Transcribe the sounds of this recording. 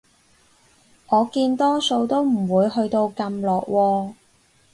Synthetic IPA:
ŋɔː˨˧kiː˧nt̪ɔː˥so˧wt̪o˥wm̩˨˩wuː˨˧jɦɵ˧ɥt̪o˧wkɐ˧mlɔː˨˩k̚wʔɔː˧

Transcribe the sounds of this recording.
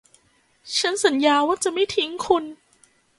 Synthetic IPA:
t͡ɕʰa˦˥nsa˩˦njaː˧waː˥˩t͡ɕa˨ma˥˩jt̪ʰi˨˦ŋkʰu˧n

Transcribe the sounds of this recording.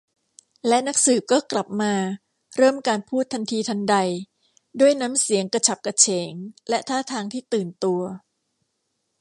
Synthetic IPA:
lɛ˦˥na˦˥k̚sɯː˨˩p̚kɔː˥˩kla˨˩p̚maː˧ | ɾɤː˥˩mkaː˧npʰuː˥˩t̪ʰːa˧nt̪ʰiː˧t̪ʰa˧ŋda˧j | du˥˩əjna˦˥msi˩˦əŋka˧t͡ɕʰa˨˩p̚ka˧t͡ɕʰeː˩˦ŋlɛ˦˥ʔt̪ʰaː˥˩t̪ʰaː˧ŋt̪ʰiː˥˩t̪ɯː˨˩nt̪u˧ɐ

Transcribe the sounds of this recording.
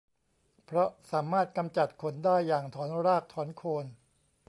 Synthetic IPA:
pʰɾɔ˦˥saː˩˦maː˥˩t̪̚ka˧mt͡ɕa˨˩t̪̚kʰo˧ndaː˥˩jːaː˨˩ŋt̪ʰɔː˩˦nɾaː˥˩k̚t̪ʰɔː˩˦nkʰoː˧n

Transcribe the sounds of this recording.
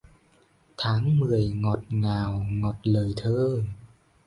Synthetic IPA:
t̪ʰaː˨˦ŋmɨ˨˩əjŋɔ˨˩t̚ŋaː˨˩wŋɔ˨˩t̚ləː˨˩jt̪ʰəː˧

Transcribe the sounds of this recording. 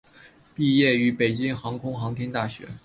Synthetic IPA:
pi˥˧jɛ˥˩y˧˥pe˨˩ɪt͡ɕi˥ŋxɑ˧˥ŋkʰʊ˥ŋxɑ˧˥ŋt̪ʰjɛ˥nt̪a˥˩ɕɥɛ̰˧˥

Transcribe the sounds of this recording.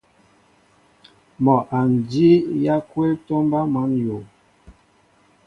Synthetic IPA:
mɔ˨ʔa˨n˨di˦ja˦kwe˦tɔ˦mba˦ma˨˦njo˨

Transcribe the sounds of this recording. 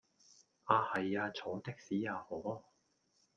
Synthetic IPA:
ʔaː˧hɐ˨jaː˧t͡sʰoː˨˥t̪ɪ˥k̚siː˨˥jaː˨˧hɔː˨˥

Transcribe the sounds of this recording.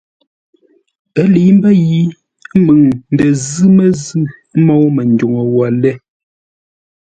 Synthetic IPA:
ə˦li˨˦m˦bə˦ji˦ | mə˨ŋn̩˨də˨zɨ˦mə˨zʉ˦˨˦ | mɔ˦wmə˨ndo˨ŋə˨wa˨lɛ˦˨

